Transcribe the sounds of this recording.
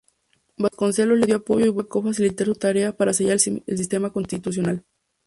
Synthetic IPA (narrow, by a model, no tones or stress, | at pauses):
basko̞nseloleðjo̞apo̞ʝo̞iβokofas̬ilit̪aɾsut̪aɾe̞apaɾas̬eʝaɾels̬ist̪e̞mako̞nst̪it̪us̬jonal